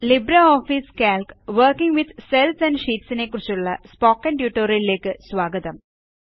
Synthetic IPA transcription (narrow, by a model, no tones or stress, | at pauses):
libɾɐoːfiskaːlkʋɐrkiŋɡʋid̪selsɐ̃nɖʂiːʈsinekːurit͡ɕːuɭːɐ̰spoːkːɐnʈjuːʈːoːɾjɐlile̞ːkːɨsʋaːɡɐðɐm